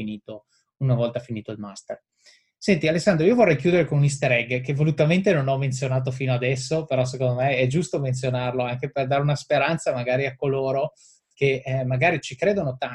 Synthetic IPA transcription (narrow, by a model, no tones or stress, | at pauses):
iniːt̪o | unavɔlt̪afiniːt̪oilmast̪er | sɛnt̪ialesːand̪ɾoiːovorːɛjkjuːd̪eɾeikomunis̬t̪aɾɛɡkevolut̪ament̪enonɔmːent̪sjonaːt̪̬ofiːnoad̪ɛsːopeɾɔs̬ekond̪omeɛd͡ʒust̪oment̪sjonarloaŋkeperd̪aːɾeunaspeɾant̪samaɡaːɾiakːoloːɾo | kemaɡaːɾit͡ʃikɾeːd̪onot̪a